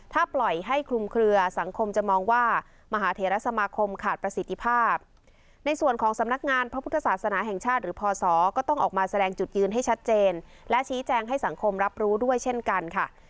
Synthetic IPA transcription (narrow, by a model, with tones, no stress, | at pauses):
t̪ʰaː˥˩plɔ˨˩jɦa˥˩jkʰlu˧mkʰɾɯ˧ɐsa˩˦ŋkʰo˧mt͡ɕa˨˩mɔː˧ŋwaː˥˩ | ma˧ɦaː˩˦t̪ʰeː˩˦ɾa˦˥sa˧maː˧kʰo˧mkʰaː˨˩t̪̚pɾa˧si˨˩t̪ʰːi˧˥pʰaː˥˩p̚ | na˧jsu˨˩ənkʰɔː˩˦ŋsa˩˦mna˦˥k̚ŋaː˧npʰa˦˥pʰu˥˩t̪ʰːa˧saː˨˩t̪̚sa˧naː˩˦ɦɛ˨˩ŋt͡ɕʰaː˥˩t̪̚ɾɯː˩˦pʰɔː˧sɔː˩˦kɔː˥˩t̪ɔ˥˩ŋʔɔː˨˩k̚maː˧sa˧dɛː˧ŋt͡ɕu˨˩t̪̚jɯː˧nɦa˥˩jt͡ɕʰa˦˥t̪̚t͡ɕeː˧nlɛ˦˥t͡ɕʰiː˦˥t͡ɕɛː˧ŋɦa˥˩jsa˩˦ŋkʰo˧mɾa˦˥p̚ɾuː˦˥du˥˩əjt͡ɕʰe˥˩nka˧nkʰa˥˩